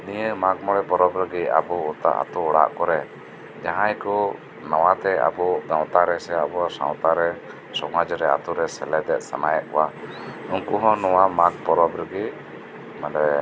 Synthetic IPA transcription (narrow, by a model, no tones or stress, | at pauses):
nijəmaɡ̚mɔɽɛbɔɾɔbɾəɡia̰buːt̪a̰ʔa̰t̪uːɽa̰ʔkɔɾɛ | d͡ʒaɦãjkɔ | nawat̪ɛa̰bɔɡ̪ãw̃t̪aɾɛsɛabuasã̰w̃t̪aɾɛ | sɔŋad͡ʒɾɛa̰t̪uɾɛsɛlɛd̪ɛʔ̪̚samajaʔkɔwa | uŋkuɦɔ̃nɔwamaɡ̚bɔɾɔbɾɛɡi | malɛ